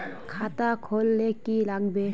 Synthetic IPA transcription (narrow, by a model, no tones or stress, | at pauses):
kʰatakʰɔlːekːilak̚be